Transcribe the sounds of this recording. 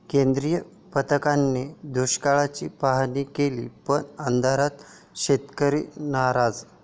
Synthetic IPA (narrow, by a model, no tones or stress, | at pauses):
kend̪ɾijə | pət̪əkanːed̪ʱuɕkaɭat͡ɕiːpaɦniːkelḭːpəɳand̪ʱaɾat̪ | ɕet̪kəɾḭːnaɾad͡z